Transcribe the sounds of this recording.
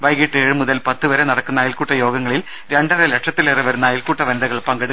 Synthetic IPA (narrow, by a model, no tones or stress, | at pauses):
ʋɐjɡiʈːɨeːɻɨmuðɐlpɐt̪ːɨʋɐɾenɐɽɐkːunːaːjilkuːʈːɐjo̞ːɡɐŋːɐɭil | ɾeɳɖɐrelekʂɐt̪ːileriʋɐɾunːaːjilkuːʈːɐʋɐnd̪ɐɣɐɭpɐŋɡɐɽɨ